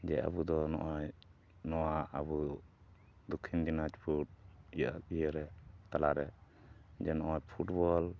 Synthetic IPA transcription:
d͡ʒɛa̰bud̪ɔnɔ̰ʔɔj | nɔwaabu | d̪ɔkʰːind̪inat͡ʃpʰuʈ̚ijijəɾɛt̪alaɾɛ | d͡ʒɛnɔʔɔjpʰuʈbɔl

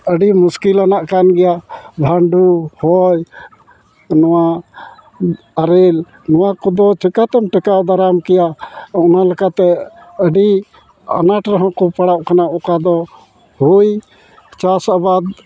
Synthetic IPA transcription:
əɖimuskilanaʔkanɡɛjabʱaɳɖuhɔj | nɔwa | aɾɛl | nɔwakɔd̪ɔt͡ʃɛkat̪ɛmʈɛkawd̪aɾamkɛjaɔnalɛkat̪ɛ | əɖi | a̰naʈɾaɦɔ̃kɔpaɽaʔkanaʔɔkad̪ɔ | huj | t͡ʃasabad̪̚

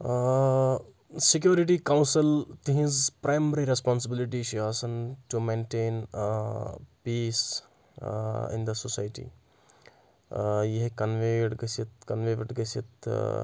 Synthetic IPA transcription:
sɪkjuːɾɪʈ̬ikaw̃nsɪlt̪iɦĩzpɾajməɾiɾespãːns̬ɪbɪlɪʈit͡ʃiasɐnʈumẽːnʈeːn | piːs | ɪ̰nd̪əsosaːjʈḭː | jeɦikɐnʋeɖɡɐsit̪kɐnʋeʋɖɡɐsit̪

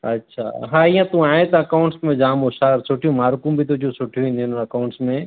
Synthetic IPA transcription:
ɐ̰tːʃʰa̰ːɦãɪjãt̪ũaːẽt̪ɐɐkaʊ̃ɳʈsmẽd͡ʒãːmoʃaːɾsoːʈʰijũmaːɾkũbʱit̪od͡ʒʰũsʊʈʰijũĩnd̪iʊnnɐkaːʊ̃ɳʈsmẽ

